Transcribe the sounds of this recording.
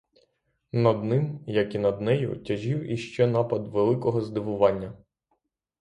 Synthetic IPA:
nɐd̪nɪmjɐkinɐd̪nɛjʊ̰tʲɐʒiwiʃt͡ʃɛnɑpɐd̪ʋelˠɪkɔɦɔzd̪ɪʋʊʋɑnʲːɐ

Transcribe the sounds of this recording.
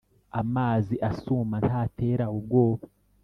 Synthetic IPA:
amaːziʔasuːman̥hate̞ːɾaub̚ɡo̞ːβo

